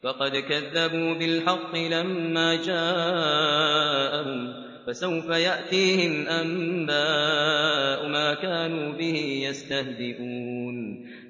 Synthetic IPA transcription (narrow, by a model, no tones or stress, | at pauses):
fɑqɑd̪kaðːabuːbɪlħɑqːɨlamːaːd͡ʒaː | ʔahʊm | fasawfajaʔt̪iːhɪmʔambaː | ʔʊmaːkaːnuːbɪhɪjast̪ahd̪ɪʔun